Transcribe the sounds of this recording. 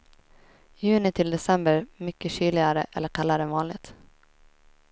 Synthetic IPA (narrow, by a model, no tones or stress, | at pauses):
jʉ̟ːnɪt̪ʰɪld̪ɛsɛmbəɾmʏkːəɕyːlɪɡaɾəʔɛ̰lːəɾkʰalːaɾəvɑːnlɪɡ̚t̪